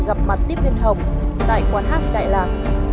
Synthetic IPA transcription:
ɣa˨˩p̚ma˨˩t̚t̪i˦˥p̚li˧nɦə˨˩wŋ͡mt̪a̰ː˧˨jkwaː˧nɦaː˦˥k̚ɗa̰ː˧˨jlaː˨˩ŋ̚

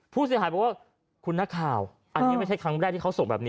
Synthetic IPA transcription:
pʰuː˥˩s̬i˩˦aː˨˦jbɔ˨˩kwa˥˩ | kʰu˧nːa˦˥˩kʰaː˨˩w | ʔa˧nːi˦˥ma˥˩t͡ɕʰjkʰɾa˦˥ŋm˩a˥˩t̪ʰiː˥˩ka˦˥wso˨˩ŋbɛ̰ː˨˩pniː˦˥

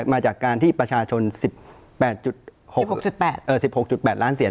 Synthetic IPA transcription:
maː˧t͡ɕaː˨˩kːaː˧nt̪ʰiː˥˩pɾa˧t͡ɕʰaː˧t͡ɕʰo˧nsi˨˩p̚ː | ɛː˨˩t̪̚t͡ɕu˨˩t̪̚ho˨˩˨k̚t͡ɕu˨˩t̪̚pɛː˨˩t̪̚ʔɤː˨˩si˨˩p̚ho˨˩k̚t͡ɕu˨˩t̪̚pɛː˨˩t̪̚laː˦˥nsi˩˦

